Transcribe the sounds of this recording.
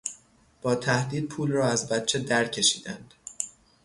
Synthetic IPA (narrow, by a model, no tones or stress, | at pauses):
b̥ɒːt̪ʰæhd̪iːd̪̚pʰuːlrɒːæzbæt̪̚t͡ʃʰed̪æɾcʰe̞ʃiːd̪̥ænd̪̥